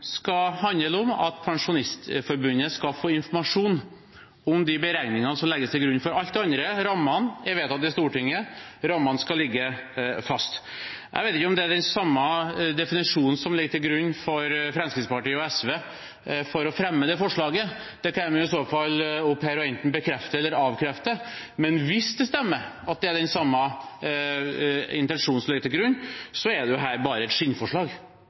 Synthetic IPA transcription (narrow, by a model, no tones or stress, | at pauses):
skɑhɑnːəlɔmɑ̰t̪pʰɑŋʂʊnɪst̪fɔɾbʉnːəskɑfoːɪnfɔɾmɑʂuːn | ɔmd̪ɪbəɾæɪnɪŋɑnəsɔmlɛɡːəst̪ʰɪlɡɾʉnːfɔɾɑlt̪ɛɑnd̪ɾəɾɑmːɑnjæʋeːt̪ɑt̪̚ːɪst̪uːʈɪŋːə | ɾɑmːɑnskɑlɪɡːəfɑst̪ | ʔæ̰ɪʋeɪt̪ɪçːəɔmd̪ɛæɖɛnsɑmːɑd̪ɛfɪnɪʂuːnn̩sɔmlɪɡəʈ̪ʰɪlɡɾʉnːfɔɾfɾɛmskɾɪt̪spɑʈiːəɔɛsʋeː | fɔɾɔfɾɛmːəd̪ɛfɔʂɭɑːɡə | d̪̥ɛkʰɛmjʊɪsoːfɑlːʊphæɾɔɛnt̪n̩bəkʰɾɛft̪əɛlːəɾɑːʋkʰɾɛft̪əmɛnʋɪsd̪ɛst̪ɛmːəɾɑt̪̚d̪ɛæɖɛnsɑmːɑ | ɪnt̪ɛnʂuːnsɔmlɪɡət̪ʰɪlɡɾʉnːsɔɛɖ̪ɛjʊɦæːɾbɑːɾəɛt̪ʂɪnfɔʂɭɑːɡ